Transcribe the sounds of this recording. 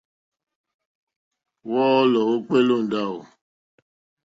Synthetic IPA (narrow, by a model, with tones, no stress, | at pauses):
wɔ˦ɔ˦lɔ˨o˦k͡pe˦lo˦˨n̩˨da˦˨o̰˨